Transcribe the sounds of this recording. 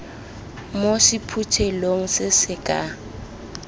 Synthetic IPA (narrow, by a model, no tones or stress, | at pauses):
mosipʰut͡ʃʰɛloŋ̩sɪsɪkʼa